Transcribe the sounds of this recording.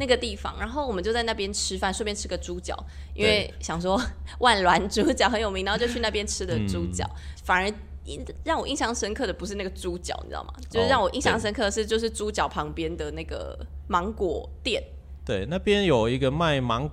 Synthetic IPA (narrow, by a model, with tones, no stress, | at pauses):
na˥˩ɡə˩t̪i˥˩fɑ̰˨˦ŋɻa˨˧˥nxo˥˩ʊwɔ˨˩mə˨˦t͡ɕo˥˧ʊt͡sa˥˧ɪn˥˩pjɛ˥nʈ͡ʂʰɻ̩˥fa˥˧nʂwe˥˩pjɛ˥nʈ͡ʂʰɻ̩˥ɡə˨ʈ͡ʂu˥t͡ɕjɑ̰˨˩˦ʊ | i˥nwee˥˩ɪɕjɑ˨˩ŋʂ̬wɔ˥wa˥˩nlwa˧˥nʈ͡ʂu˥t͡ɕjɑ˨˩ʊxə˧˥njo˨˩mi˧˥ŋ˧˥˧jo˥˧t͡ɕʰy˧na˥˩pjɛ˥nʈ͡ʂʰɻ̩˥d̪ə˨ʈ͡ʂu˥t͡ɕjɑ̰˨˦ʊfa˨nə˧˥ | i˥ɻɑ˥˩ŋwɔ˨˩i˥˧ŋɕjɑ˥˩ŋʂə˥nkʰɤ˥˩d̪ə˩pu˧˥ʂ̬ɻ̩˥˧na˥˩ɡə˩ʈ͡ʂu˦˥t͡ɕjɑ˨˩ʊn̩̰˨˩˥ma̰˩t͡ɕjo˥˧ʂɻ̩˥˧ɻɑ˥˩ŋwɔ˨˩ʔi˥˧ŋɕjɑ˥˩ŋʂə˥nkʰɤ˥˧ʂɻ̩˥˧t͡ɕjo˥˧ʊʂ̬ɻ̩˥˩ʈ͡ʂu˥t͡ɕjɑ˨˩ʊpʰɑ˧˥ŋpjɛ˥nd̪ə˨na˥˩ɡə̰˩mɑ˧˥ŋkwɔ˨˩t̪jɛ˥˩n | t̪we˥˩ɪna˥˩pjɛ˦njo˨˩ʊi˧˥ɡə˧ma˥˩ɪmɑ˧˥ŋ